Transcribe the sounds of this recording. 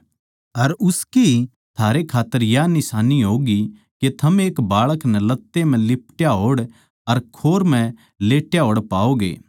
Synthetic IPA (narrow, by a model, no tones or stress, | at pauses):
ɐɾʊski | t̪ʰaːɾekʰaːt̪ːəɾjanɪsaːniɦoːɡi | ket̪ʰɐmeːkbaːɭəknɛlɐt̪ːem̤ɛ̃lɪpʈjaɦoːɽ | ɐɾkʰoːɾm̤ɛ̃ | leːʈjaɦoːɽpaːoːɡḛː